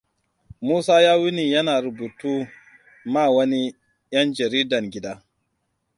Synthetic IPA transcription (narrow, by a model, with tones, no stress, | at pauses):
muː˦saː˦jaː˦wʊ˦niː˨jɐ˦naː˨ɾʊ˨buː˨tuː˦ | maː˦˨wɐ˦ni˦ | j̰ɐ˦nd͡ʒɐ˨ɾiː˦dɐ˨ŋɡʲɪ˦daː˦